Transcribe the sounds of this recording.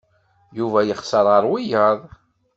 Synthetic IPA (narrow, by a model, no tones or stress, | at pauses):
juvæjəχsəɾˤəɾˤwijəðˤ